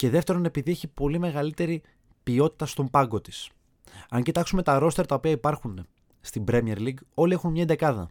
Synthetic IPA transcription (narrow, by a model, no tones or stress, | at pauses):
ce̞ðe̞ft̪e̞ɾone̞piðieçipo̞lime̞ɣɐlit̪e̞ɾi | pio̞t̪i̥t̪ɐst̪o̞mbɐŋɡo̞t̪i̥s | ɐɲcit̪ɐksume̞t̪ɐɾo̞st̪e̞ɾt̪ɐo̞piɐipɐɾxune | st̪imbɾemieɾliɡo̞lie̞xunmɲɐed̪ekɐðɐ̰